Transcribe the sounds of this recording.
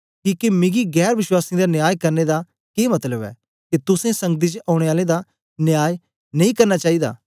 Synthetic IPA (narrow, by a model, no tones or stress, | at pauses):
kiːkemɪ̃ɡiɡɛːɾʋɪʃwaːsĩd̪anjaːjkɐɾned̪a | keːmɐt̪ləbɛ̰ː | kit̪ʊsẽsɐ̃ŋɡd̪̬it͡ʃaːʊɽ̃eaːlẽd̪a | njaːj | nɐĩkɐɾnat͡ʃaːid̪a̰ː